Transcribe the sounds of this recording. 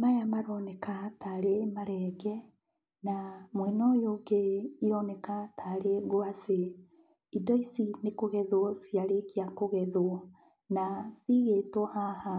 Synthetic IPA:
majamaɾɔnɛkataɾemaɾɛːɡɛ | namwɛnɔjoɡeiɾɔnɛkatʰaɾeɣoase | idɔisinekoɣɛðwɔsiaɾekiakoɣɛðoɔ | nasiɣetɔhaha

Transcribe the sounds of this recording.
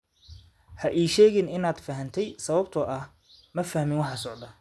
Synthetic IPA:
hɐʔɛːjʃɛːɣɪnɪnaːd̪fɐɦɐnt̪ʰɛjsɐβɐb̚t̪ʰɔʔɐh | mɐfɐhmɪnwɑħɑːsɔʕd̪ɐ

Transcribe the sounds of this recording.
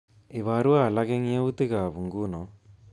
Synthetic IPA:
iʋaːɾualaɡeŋjewut̪iɡaːʋuŋɡuːno

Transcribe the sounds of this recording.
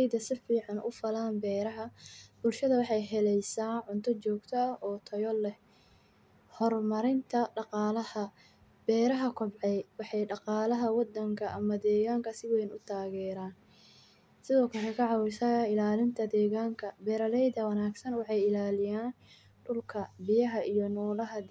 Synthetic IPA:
jdɐsɪfiːʕɑnʔʊ̰fɐlaːnbɛːɾɐɦɐbʊlʃɐðɐwɑħɑjɦɛlɛjsaːʕʊnt̪ʰɔt͡ʃɔːɡt̪ʰɐɔːt̪ʰɐjɔlɛ | hɔrmɐɾɪnt̪ʰɐɖɑqɑːlɐhɐ | b̥ɛːɾɐɦɐkʰɔbʕɛjwɑħɑjɖɑqɑːlɐɦɐwɑd̪ːɐŋkʰɐʔɐmɐd̪ɛːɣaːŋkʰɐsɪwɛjnʊt̪ʰaːɣɛːɾaːn | sɪðɔːkʰɐlɛkʰɑʕɑwɪsɐɪlaːlɪnt̪ʰɐd̪ɛːɣaːŋkʰɐbɛːɾɐlɛjd̪ɐwɑnaːɡsɐnwɑħɑjɪlaːlɪjaːn | ɖʊlkʰɐbɪjɐɦɐʔijɔnɔːlɐɦɐ

